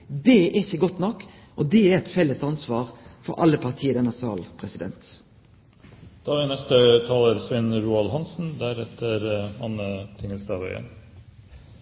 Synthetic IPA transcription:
d̪ɛʔɛɪçəɡɔt̪ːnɔkː | ʔɔd̪ɛæɾɛt̪fɛlːəsɑnsʋɑːɾfɔɾʔɑ̰lːəpʰɑʁt̪ʰiːəd̪ɛnɑsɪɑ̰ːlpʰɾɛsɪd̪ɛ̰nt̪ | d̪̥ɑːʋɪnɛst̪ət̪ʰɑːləɾsʋɛnɾuːɑlhɑnsn̩d̪æɾɛt̪əɾɑnət̪ʰɪŋːəlst̪ɑʋœʏə̰n

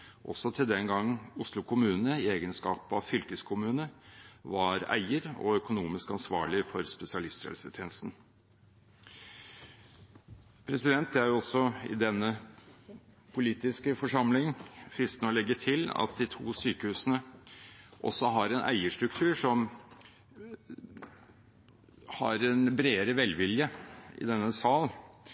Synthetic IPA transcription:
ʔɔ̰sɔt̪ʰɪld̪ɛnɡɑŋʊslʊkʰʊmʉːnnəɪeːɡənskɑ̰ːpɑʋfʏlkəskʰʊmʉːnəʋɑɾæ̰ɪəɾɔ̰œkʊnuːmɪskɑnsʋɑ̰ːɭɪfɔɾspɛsɪɑlɪst̪ɾḛːlsət̪ʰeːnəst̪n̩ | pʰɾɛsɪd̪ɛnt̪̚d̪ɛæɾjɔsɔɪ̰d̪ɛnːə | pʰʊliːt̪ɪskəfɔʂɑmlɪŋfɾɪst̪nəɔlɛɡːəʈʰɪlɑ̰t̪̚d̪ɪt̪ʰṵːsyːkəhʉːsənə | ʔɔ̰sɔɦɑɾɛnʔæ̰ɪəʂtɾʉkt̪ʰʉːʂɔm | hɑ̰ɾɛnbɾeːɾəʋɛlʋɪljəɪ̰d̪ɛnːəsɑːl

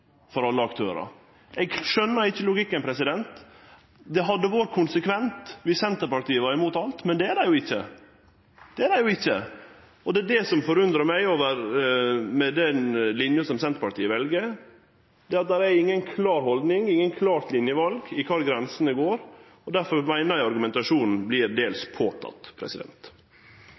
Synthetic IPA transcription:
fɔɾɑlːəɑkt̪ʰøːɾɑ̰ | ʔɛɡʂœnːəɾɪçːəlʊɡɪkːənpʰɾɛsɪd̪ɛnt̪ | d̪ɛɦɑd̪ːəʋoːɾkʰʊnsəkʰʋɛnt̪ʋɪsɛnt̪əɾpɑʈ̪iːəʋɑɾɪmuːt̪ɑlt̪mɛnd̪ɛæɖæjʊɪçːə | d̪̥ɛæɖæjʊɪçːə | ɔd̪ɛd̪ɛsɔmfɔɾʉnd̪ɾəɾmæɪoːʋəɾ | mɛd̪ɛnlɪnjəsɔmsɛnt̪əɾpɑʈt̪iːəʋɛlɡəɾ | d̪̥ɛːɑt̪̚d̪æɾæɾɪŋːənkʰlɑːɾhɔld̪nɪŋɪŋːənkʰlɑːɾt̪lɪnjəʋɑlɡɪkʰɑːɾɡɾɛnsənəɡoːɾ | ɔd̪æɾfɔɾmæɪnəɾæɪɑɾɡʉmɛnt̪ɑʂuːnn̩blɪːɾd̪eːlspʰoːt̪ʰɑ̰t̪pʰɾɛ̰sɪd̪ɛ̰nt̪

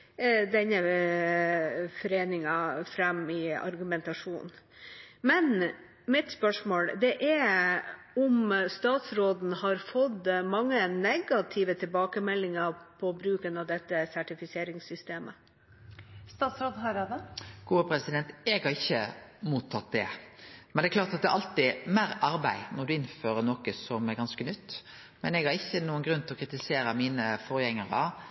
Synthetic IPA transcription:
d̪ɛnːə | fɔɾeːnɪŋɑfɾɛmɪɑ̰ɾɡʉmɛnt̪ɑʂuːn | mɛn | mɪt̪spœʂmoːld̪ɛʔɛ | ɔmst̪ɑːt̪sɾoːd̪n̩hɑɾfɔd̪mɑŋːənɛɡɑt̪ʰɪʋət̪ʰɪlbɑːkəmɛlːɪŋəpʰɔbɾʉːkənɑʋd̪ɛt̪ːəsæʈɪfɪseːɾɪŋsʏst̪eːmə | st̪ɑːt̪sɾoːd̪ɦɑɾɑd̪ɛɡ̥uːəpʰɾɛsɪd̪ɛnt̪ɛɡhɑʁɪçːəmuːt̪ʰːɑt̪̚d̪ɛmɛnd̪ɛklɑːɾt̪ɑt̪̚d̪ɛæ̰ʔɑlt̪ɪmæɾʔɑɾbæɪnɔʁd̪ʉɪnføːɾənɔkəsɔmæɾɡɑnskənʏt̪ː | mɛnɛɡhɑɾɪçːənuːənɡɾʉnt̪ʰlɔkʰɾɪt̪ɪseːɾəmiːnəfɔɾjɛŋːəʁɑ̰

